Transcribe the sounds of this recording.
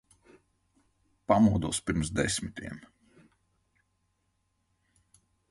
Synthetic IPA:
pamuɔd̪uɔspiɾmsd̪ɛsʲmit̪ʰʲiɛm

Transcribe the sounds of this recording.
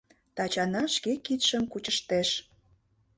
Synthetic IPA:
t̪ɑt͡ɕɑnɑʃkekit̪ʃəmkut͡ɕəʃt̪eʃ

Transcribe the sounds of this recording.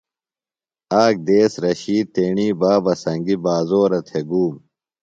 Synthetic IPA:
aːk̚d̪eːsɾɐɕiːt̪eːɳiːbaːbɐsɐŋɡibaːzoːɾɐt̪ʰeɡuːm

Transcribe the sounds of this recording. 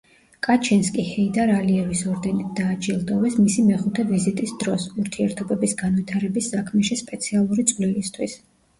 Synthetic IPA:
kʼat͡ʃʰɛnskʼihɛid̪aɾaliɛvisɔɾd̪ɛnid̪d̪aːd͡ʒilˠd̪ɔvɛsmisimɛχut̪ʰɛvizit̪ʼisd̪ɾɔsuɾt̪ʰiɛɾt̪ʰɔbɛbisɡanvit̪ʰaɾɛbisːakʰmɛʃispʼɛt̪sʰialˠuɾit̪sʼvlilist̪ʰwis

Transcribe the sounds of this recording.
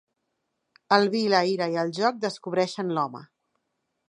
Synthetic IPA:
əlˠβiləiɾəiəlˠʒɔk̚d̪əskuβ̞ɾɛʃənlɔmə̰

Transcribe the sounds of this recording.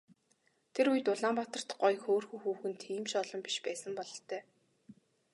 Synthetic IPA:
t̪ʰeɾujt̪ʊɮaːmpat̪ə̆r̥t̪ɢɔjxoːrxŭŋxuːxɘ̆nt̪ʰːiːmʃɔɮɞ̆mpi̥ʃpæːsə̆mpɔɮɞ̆ɬt̪œː

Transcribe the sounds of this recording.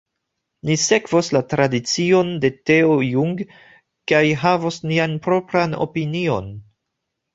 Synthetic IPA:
nise̞kvoslatɾadit͡sio̞nde̞te̞ojuŋɡ | kajɦavosnianpɾo̞pɾano̞̰pinio̞n

